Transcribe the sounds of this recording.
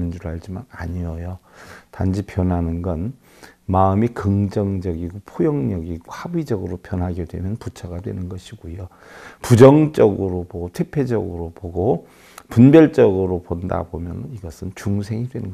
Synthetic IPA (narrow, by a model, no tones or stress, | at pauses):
nd͡ʑuɾaɭd͡ʑimana̰ɲijʌjotand͡ʑipjʌnɦanɯnɡʌn | maɯmikɯŋd͡ʑʌŋd͡ʑʌɡiɡopʰojʌŋɲʌɡiɡohabid͡ʑʌɡɯɾopjʌnɦaɡedwe̞mjʌnput͡ɕʰʌɡadwe̞̰nɯnɡʌɕʰiɡujo | pud͡ʑʌŋt͡ɕ͈ʌɡɯɾopoɡotʰwe̞pʰe̞d͡ʑʌɡɯɾopoɡo | punbjʌɭt͡ɕ͈ʌɡɯɾoponda̰bomjʌnɯniɡʌsʰɯnt͡ɕuŋs̬ʰe̞ŋidwe̞nɯnɡ